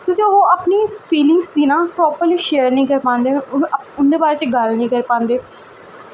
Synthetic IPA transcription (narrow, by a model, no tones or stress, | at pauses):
kjõːkioʔapniːpʰiːlɪ̃ŋɡsd̪iːnãːpɾɔːpəɾliːʃeːəɾnĩːkəɾpãːnd̪eːʊnd̪eːbaːɾeːt͡ʃɡəlnĩːkəɾpãːnd̪eː